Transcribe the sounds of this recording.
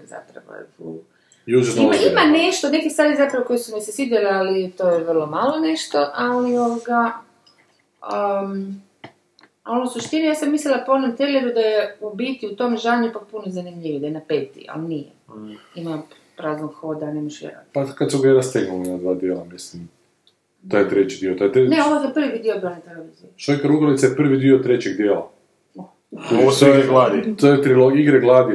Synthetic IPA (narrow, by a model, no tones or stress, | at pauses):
za̰t̪ɾa̰ba̰j̰t̪uː | jut͡ʃeimaimane̞ʃt̪one̞kist̪ʋaːɾizapɾaʋoko̞jesumesesid̪jalealit̪ojeʋərlˠo̞malˠone̞ʃt̪o̞ʔalio̞ʋoɡa | ə | olousuʃt̪inijaːsamːislilaponomt̪elʲebud̪ajeubiːt̪iut̪o̞mʒaːɲupak̚punozanimʎiʋid̪ajenapet̪ḭa̰lnijḛima | pɾaːznoɡxod̪anemoʃjḛɾa̰d̪pakad̪suɡeɾast̪eɡnulinad̪ʋaːd̪jeːlˠamislim | t̪ojet̪ɾet͡ɕid̪iot̪ojt̪eneoʋojt̪opr̩ʋid̪iobɾonat̪eleʋiziʃojkaɾuɡɾait̪sajepr̩ʋid̪iot̪ɾet͡ɕeɡd̪jeːla̰ | t̪ot̪oɡlad̪it̪ojet̪ɾilˠoɡiɡɾeɡlˠaːd̪i